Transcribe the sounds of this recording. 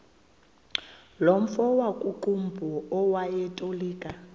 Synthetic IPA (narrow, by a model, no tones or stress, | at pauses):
lom̩fɔwakʼuǃumbʱɔɔwajɛtʼoliːkʼa